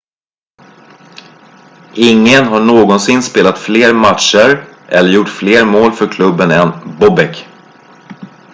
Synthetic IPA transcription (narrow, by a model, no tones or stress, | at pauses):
ʔɪŋːənɦaɳoːɡɔnsɪnːspeːlat̪fleːɾmat̪ʂəɾʔɛlːəɾjʊʈːfleːɾmoːlfœɾkʰlɵbːənɛnbɔbɛk